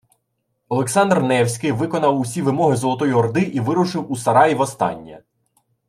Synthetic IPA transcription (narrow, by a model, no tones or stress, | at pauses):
ɔlˠeksɑnd̪rnɛwsʲkɪjʋɪkɔnɐwusʲiʋɪmɔɦɪzɔlˠɔt̪ɔjiɔrd̪ɪʔiʋɪɾʊʃɪwusɐɾɑjiʋɔst̪ɑ̰nʲːɐ̰